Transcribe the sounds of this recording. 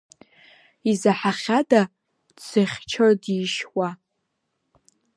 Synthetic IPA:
izaħaχʲada | t͡sɨχʲt͡ʃʰodiːʃwa

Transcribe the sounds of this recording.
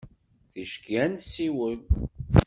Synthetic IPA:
θiʃkiænsiwəl

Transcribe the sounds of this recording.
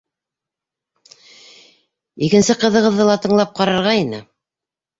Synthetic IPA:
ikɘ̆nsɘqɤ̆ðɤ̆ʁɤ̆ðːɤlˠɑt̪ɤ̆ɴlˠɑp̚qɑɾɑɾʁɑinɘ

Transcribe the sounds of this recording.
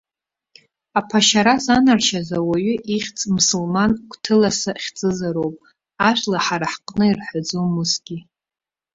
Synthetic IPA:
apʰaʃaɾazanarʃazawaɥʏʔiχʲt͡sʼmusulmankʷʰtʰɨlasaχʲt͡sʼɨzaɾowpʼ | aʃʷlaħaɾaħqʼnɨirħad͡zomusɡʲi

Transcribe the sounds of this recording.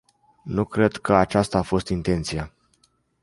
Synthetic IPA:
nukɾe̞d̪kəat͡ʃast̪aːfo̞st̪int̪e̞nt̪sija

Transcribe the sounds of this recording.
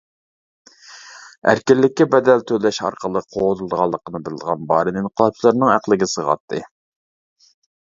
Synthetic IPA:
æ̰ɾkʲɪlːɪkʲːibɛd̪ɛlt̪ʰølɛʃɑ̰ɾqʰəlˠəqʰoʁt̪ʰɨlˠd̪əʁɑlˠːəqʰənɨbɪlɪd̪əʁɑnbɑːɾɨninqʰəlˠɑt͡ʃʰlˠɨɾnɨŋæqlˠɪɡʲɪsəʁɑ̰t̪ʰːɨ̰

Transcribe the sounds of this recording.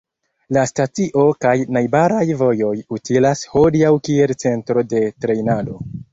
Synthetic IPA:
lastatiʔo̞kajnajbaɾajvo̞jo̞jutilasho̞diawkie̞lt͡se̞ntɾo̞de̞tɾe̞jnado̞

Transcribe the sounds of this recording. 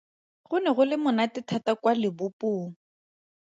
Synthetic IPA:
ɣʊnɛɣʊlɪmʊnatɪtʰatakwalɪbʊpʊːŋ̩

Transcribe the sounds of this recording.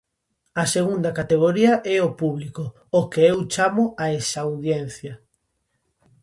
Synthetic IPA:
ɐseɣund̪ɐkat̪eɣ̞oɾiɐʔɛopuβlikʊ | okeewt͡ʃamʊaesawðjɛn̟θjɐ

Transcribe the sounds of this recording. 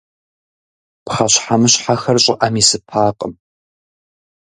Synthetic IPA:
pχaɕħamɨɕħaxɐrɕʼɪʔaːmiːsɨpʰaːqʼəm

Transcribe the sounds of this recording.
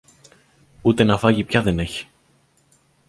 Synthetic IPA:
ut̪e̞nɐfɐʝipçɐðe̞ne̞çi̥

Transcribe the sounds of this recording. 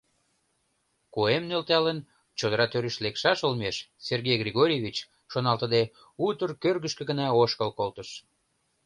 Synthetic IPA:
koemnølt̪ɑlən | t͡ɕod̪əɾɑt̪øɾyʃlekʃɑʃəlmeʃserɣejɡrʲiɣoɾʲijeβit͡ɕ | ʃonɑlt̪əd̪e | ut̪ərkørɣəʃkə̆ɡənɑoʃkəlkolt̪əʃ

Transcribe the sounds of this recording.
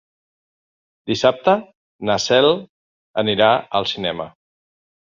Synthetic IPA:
d̪̥isap̚t̪ə | nasɛl | əniɾaəlˠsinɛmə

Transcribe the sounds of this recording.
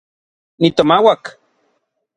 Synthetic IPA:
nit̪omawak

